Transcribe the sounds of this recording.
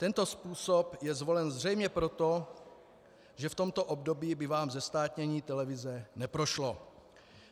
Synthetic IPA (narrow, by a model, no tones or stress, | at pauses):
t̪ɛnt̪o̞spuːsopjɛzvo̞lɛnzr̝ɛjmɲɛpɾo̞t̪o̞ | ʒɛft̪o̞mt̪o̞ʔobdo̞biːbɪvaːmzɛst̪aːt̪ɲɛɲiːt̪ɛlɛvɪzɛnɛpɾo̞ʃlo